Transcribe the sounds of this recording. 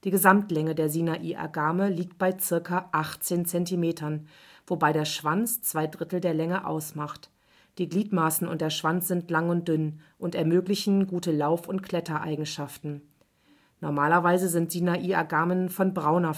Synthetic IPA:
d̥iːɡəzamtlɛŋədeːɐzinaʔiːʔa̰ɡaːməliːk̚t̚b̥aɪt͡sɪɐkaʔaχt͡seːnt͡sɛntimeːtʰɐn | vobaɪɾeːɐʃv̥ant͡st͡sv̥aɪdʁɪtl̩deːɐlɛŋəʔa̰ʊsmaχt | d̥iːɡliːtmaːsn̩ʊ̰ntd̥eːɐʃv̥ant͡sz̥ɪntlaŋʊnt̚d̥ʏnʔʊntɛɐmøːklɪçn̩ɡuːtəlaʊfʊntkʰl̥ɛtɐʔa̰ɪɡŋ̩ʃaftn̩ | nɔɐmaːlɐvaɪzəzɪntz̥inaʔiːaɡaːmənfɔnbʁaʊnɐ

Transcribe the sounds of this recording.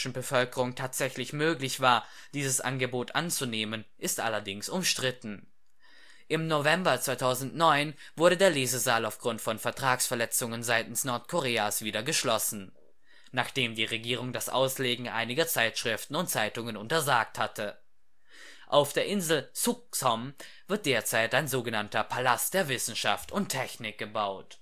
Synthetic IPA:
ʃn̩bəfœlkəʁʊŋtʰaːtz̥ɛçlɪçmøːklɪçv̥aːɐ | d̥iːzəsʔa̰nɡəboːtʔa̰nt͡suneːmənʔɪstʔa̰lɐdɪŋsʊmʃtʁ̥ɪtn̩ | ʔɪmnovɛmbɐt͡sv̥aɪtʰaʊzn̩tnɔʏn | v̥ʊɐɾədeːɐleːzəzaːlaʊfɡ̥ʁʊntfɔnfɛɐtʁ̥aːksfɛɐlɛt͡sʊŋənzaɪtn̩snɔɐtkʰoʁeːasv̥iːɾɐɡəʃlɔsn̩ | naːχd̥eːmdiːʁeɡiːʁ̞ʊŋdasʔa̰ʊsleːɡŋ̩ʔa̰ɪnɪɡɐt͡saɪtʃʁ̥ɪftn̩ʊntt͡saɪtʊŋənʊntɐzaːk̚thatʰə | ʔaʊfd̥eːɐʔɪnzl̩suk̚sɔm | vɪɐt̚d̥eːɐt͡saɪtaɪnzoːɡənantɐpʰalast̚d̥eːɐvɪsn̩ʃa̰ftʊntʰːɛçnɪk̚ɡ̥əbaʊt

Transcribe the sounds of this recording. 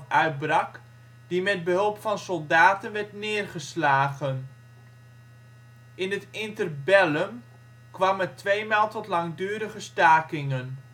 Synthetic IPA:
œɥd̚brɑk | d̥imɛd̚bəɦɵlˠpfɑnsɔlˠdaːtənʋɛɹtnɪːrχəslaːɣən | ʔɪnətɪntərbɛləm | kʋɑmətʋejmaːlˠtɔtlɑŋdyːɾəχəstaːkɪŋən

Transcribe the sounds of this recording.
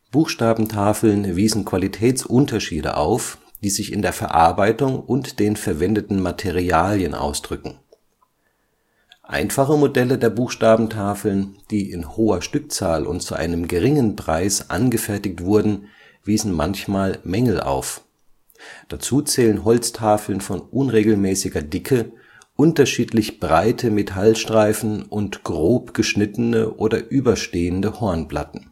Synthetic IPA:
b̥uːxʃtaːbm̩tʰaːfl̩nviːzn̩kʰv̥alitʰɛːt͡sʔʊntɐʃiːdə̰ʔa̰ʊf | d̥iːzɪçɪ̰ndeːɐfɛ̰ɐʔa̰ɐbaɪtʊŋʔʊntd̥eːnfɛɐvɛndətn̩matʰeʁiaːljənʔa̰ʊsd̥ʁʏkŋ̩ | ʔa̰ɪnfaχəmodɛlədeːɐbuːxʃtaːbm̩tʰaːfl̩nd̥iːʔɪnhoːɐʃtʏk̚t͡saːlʔʊ̰ntt͡suʔa̰ɪnəmɡəʁɪŋənpʁ̥aɪsʔa̰nɡəfɛɐtɪk̚tv̥ʊɐdn̩ | v̥iːzn̩ma̰nçmaːlmɛŋl̩ʔa̰ʊf | d̥at͡suːt͡sɛːlənɦɔlt͡stʰaːfl̩nfɔnʔʊnʁeːɡl̩mɛːsɪɡɐdɪkʰə | ʔʊntɐʃiːtlɪçb̥ʁaɪtʰəmetʰalʃtʁ̥aɪfn̩ʔʊntɡ̥ʁoːpɡ̥əʃnɪtənəʔoːdɐʔyːbɐʃteːəndəhɔɐnpla̰tn̩

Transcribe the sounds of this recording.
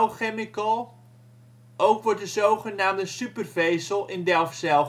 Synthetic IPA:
χemɪkəlˠ | ʔowkʋɔɹtdəzowχənaːmdəsypərvejsəlˠɪndɛlˠfsɛ

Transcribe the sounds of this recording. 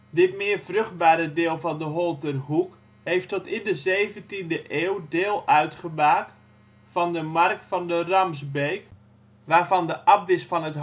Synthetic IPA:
dɪtmɪːrv̥røχd̚baːɾədɪːlˠvɑndəɦɔlˠtərɦuk | hejftɔtɪndəzejvəntindəʔeːwdɪːlˠœɥtχəmaːkt | fɑndəmark̚tfɑndərɑmzbejk | ʋaːrvɑndəʔɑp̚dɪsfɑnɦət

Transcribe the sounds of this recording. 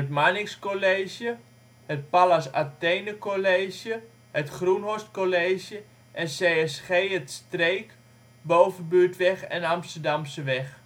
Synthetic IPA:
ətmanɪkskoleːʃjə | hət̚palasa̰tejnəkoleːʃjə | hətχrunɦostkoleːʃjə | ʔɛnseːɛsχeːətstreːk | bowvənbyːtʋɛχɛ̰nɑmstəɹdamsəʋɛχ

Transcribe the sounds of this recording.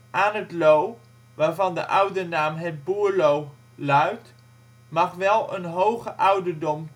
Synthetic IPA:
ʔaːnɦətlow | ʋaːɹvɑndə̰ʔʌwdənaːmɦəd̚buːɹlow | lœɥt | mɑχʋɛlˠə̰nɦowχəʔʌwdəɹdɔm

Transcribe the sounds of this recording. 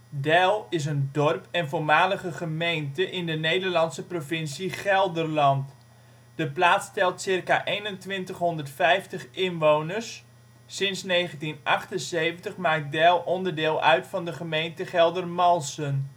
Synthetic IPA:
dɛlˠɪs̬əndɔrpɛnvomaːləχəχəmejntəʔɪndənejdərlɑnsəprovɪnsiχɛlˠdərlɑnt | d̥əplaːtstɛlˠtsɪrkaʔejnəntʋɪntəχɦɔndərtfɛjftəχɪnʋownərsː | ɪnsnejχəntinʔɑχtənsejvəntəχmaːk̚dɛlˠʔɔndərdɪːlˠœ̰ɥtfɑndəχəmejntəχɛlˠdərmɑlˠsən

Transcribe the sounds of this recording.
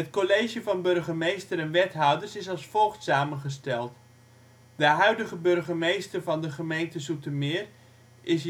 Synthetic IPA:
ɦətkolejʒjəvɑnbørχəmejstəɾɛnʋɛtɦɔwdəɹsɪsɑlˠsfolˠχtsaːmənχəstɛlˠt | dəɦœɥdəɣəbɵrχəmejstərvɑndəχəmejntəsutəmɪːr | ʔɪs

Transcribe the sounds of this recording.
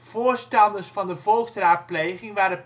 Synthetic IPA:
v̥oːɹstɑndəɹsfɑndəvɔlˠksraːt̚plejχɪŋʋaːɾə

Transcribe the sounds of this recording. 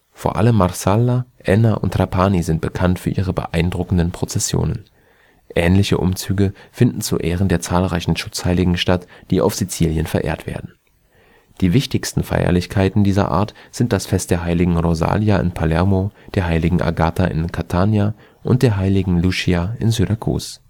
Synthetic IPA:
foːɐʔa̰ləmːaʁsalaʔɛnaʔʊ̰ntʁapʰaːnizɪnt̚b̥əkʰantfyːɐʔiːʁ̞əbə̰ʔaɪndʁʊkn̩dənpʁ̥ot͡sɛsjo̰ːnən | ʔɛːnlɪçəʔʊ̰mt͡syːɡəfɪndn̩t͡sṵʔɛːʁənd̥eːɐt͡saːlʁaɪçn̩ʃʊt͡shaɪlɪɡŋ̩ʃtatd̥iːʔa̰ʊfz̥it͡siːljənfɛɐʔḛːɐtv̥ḛːɐdn̩ | d̥iːvɪçtɪçstn̩fa̰ɪɐ̰lɪçkʰaɪtn̩diːzɐ̰ʔa̰ːɐtz̥ɪnt̚d̥asfɛstd̥eːɐɦaɪlɪɡŋ̩ʁoza̰ːljaʔɪ̰npʰalɛɐmod̥eːɐɦaɪlɪɡŋ̩ʔa̰ɡaːtʰaʔɪ̰nkʰatʰaːnja | ʔʊnt̚d̥eːɐɦaɪlɪɡŋ̩luʃiaɪnzydakʰṵːs

